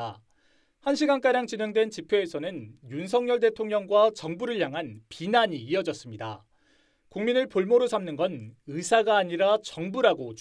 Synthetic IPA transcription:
a | hanɕʰiɡank͈aɾjaŋt͡ɕineŋdwe̞nt͡ɕipʰeːsʰʌnɯnjunsʰʌŋɲʌɭde̞tʰoŋɲʌŋɡwat͡ɕʌŋbuɾɯɭjaŋɦanpinaɲiːʌd͡ʑʌs͈ɯmɲida̰ | kuŋminɯɭpoɭmoɾosʰamnɯnɡʌnɯsʰaɡaːɲiɾat͡ɕʌŋbuɾaɡot͡ɕ

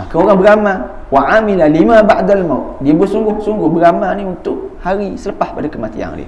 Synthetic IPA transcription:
kəoɾaŋbəɾama | waʕamilalimabaʔd̪almawt̪̚diabuasuŋɡʊhsuŋɡʊhbəɾamaniunt̪ʊʔ̚haɾisələpahpadakəmat̪ḭa̰ŋdḭ

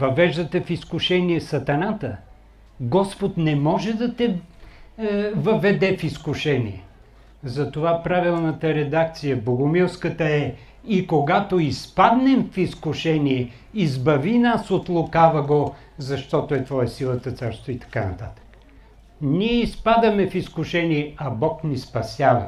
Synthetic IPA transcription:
vɐvɛʒd̪ɐt̪ɛfiskʊʃɛniɛsɐt̪ɐnat̪ə | ɡɔspot̪nɛmɔʒɛd̪ɐt̪ɛ | vɐvɛd̪ɛfiskʊʃɛnḭɛ | zɐt̪ovapɾavilˠnət̪əɾɛd̪ak̚t̪sijəboɡʊmilˠskət̪əɛ | ikoɡat̪oispad̪nɛmfiskʊʃɛniɛ | izbɐvinasot̪lˠokavɐɡo | zɐʃt̪ɔt̪oɛt̪vɔəsilˠət̪ət̪saɾst̪voit̪ɐ̥kanɐ̰t̪a̰t̪ə̥k | niɛispad̪əmɛfiskʊʃɛniɛɐbɔknispɐsʲjavɐ̰

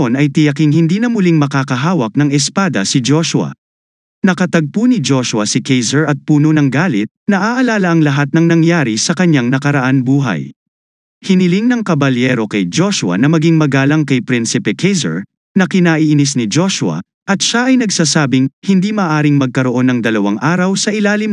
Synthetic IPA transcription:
onɐjt̪ɪjɐkiŋhɪnd̪iːnɐmʊliŋmɐkaːkɐɦaːwɐk̚nɐŋɛspad̪ɐsɪd͡ʒo̞ʃʊɐ̰ | nɐkɐt̪ɐɡ̚punid͡ʒo̞ʃwɐsɪkɛjzɛɹɐt̪̚puːnonɐŋɡaːlɪt̪̚nɐʔaʔɐlaːlɐʔɐŋlɐɦat̪̚nɐŋnɐŋjaːɾisɐkɐɲaŋnɐkɐɾɐʔanbuːɦɐ̰j | hɪnɪliŋnɐŋkɐbɐljɛɾo̞kɐjd͡ʒo̞ʃʊɐ̰nɐmɐɡiŋmɐɡaːlɐŋkɐjpɾinsɪpɛkʰɛjzɛ̰ɹ | nɐkɪnaːʔiʔɪnis̬nɪd͡ʒo̞ʃʊɐ̰ | ʔɐt̪̚ʃaʔɐjnɐɡsaːsaːbɪŋhɪnd̪iːmɐʔaːɾɪŋmɐɡ̚kɐɾo̞ʔo̞nɐŋd̪ɐlɐwaŋʔaːɾɐwsɐʔɪlaːlɪm

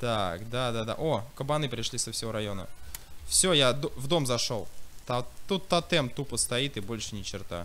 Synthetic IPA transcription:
t̪akd̪ad̪ad̪a̰ʔo̞kəbɐnɨpɾʲɪʂlʲisəfsʲɪvo̞ɾɐjo̞nə̰fsʲojad̪vd̪o̞mzɐʂo̞lˠt̪at̪ut̪ːɐt̪ɛmt̪upəst̪ɐit̪ɨbo̞lʲʂɨnʲɪt͡ɕɪrt̪a̰

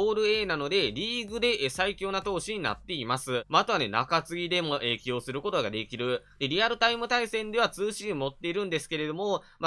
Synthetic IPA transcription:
oːɾɯ̟e̞ːnano̞d̪e̞ɾʲiːɡɯ̟d̪e̞ʔsaikʲo̞ːnat̪o̞ːɕiɲ̟ina̰t̪ːe̞imasɨmaːt̪o̞βane̞na̰kat͡sɨɡʲid̪e̞mo̞ʔekʲio̞ːsɨɾɯ̟ko̞t̪o̞ɡad̪e̞kʲiɾɯ̟ | d̪e̞ɾʲiaɾɯ̟t̪aimɯ̟t̪aisẽ̞nd̪e̞β̞at͡sɨːɕimo̞t̪ːe̞iɾɯ̟̃nd̪e̞sɨ̥ke̞ɾe̞d̪o̞mo̞ | m

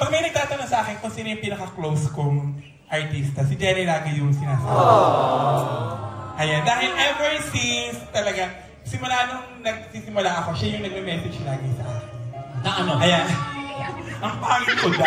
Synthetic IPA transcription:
pɐɡ̚mɐjnɐɡ̚t̪aːt̪ɐnosɐʔaːkɪnkʊnsiːnojʊŋpiːnɐkɐklowskoŋ | ʔɐɹt̪ist̪ɐsɪd͡ʒɛɾilaːɡɪjʊŋsɪnaːsaːbbe | ʔɐjand̪aːhɛlʔɛvɛɹsinst̪ɐlɐɡa | sɪmʊlaːnoŋnɐɡ̚sisɪmʊlaʔɐko̞ʃajʊŋnɐɡ̚mɛmɛːsɛd͡ʒlaːɡɪsɐʔaːkɪnɐɐnʔɐjan | ʔɐŋpɐaːŋɪnkod̪a

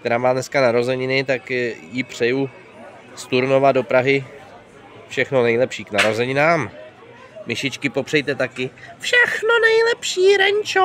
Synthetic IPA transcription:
k̚t̪ɛɾaːmaːdnɛskanaɾo̞zɛɲɪnɪt̪akjɪpr̝̥ɛju | st̪uɾno̞vado̞pɾaɦɪ | fʃɛxnonɛjlɛpʃiːknaɾozɛɲɪnaːm | mɪʃɪt͡ʃkɪpo̞pr̝̥ɛjt̪ɛt̪akɪfʃɛxnonɛjlɛpʃiːɾɛɲt͡ʃo

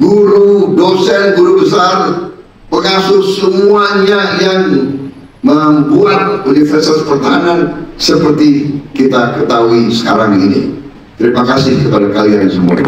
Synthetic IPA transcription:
ɡuɾudosɛnɡuɾubəsar | pəŋasʊsəmuaɲajaŋ | məmbuat̪̚unifərsi̥t̪aspərt̪aɦanansəpərt̪ikit̪akət̪aɦuisə̥kaɾaŋinḭ | t̪əɾimakasɪhkəpadakaliaŋsəmua̰

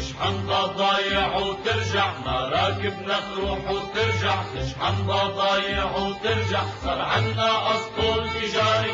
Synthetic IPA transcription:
ɪʃʕand̪ˤɑd̪ˤɑːjɪʕwt̪ɪɾʒaʕmaɾˤɑːkɪbnakɾuːħwt̪ɪɾʒaʕt̪ɪʃħɑnd̪ˤɑːd̪ˤɑːjɪʕwt̪ɪɾʒaʕsˤɑɾʕanːaʔɑsˤk̪uːlt̪ɪʒaːɾi

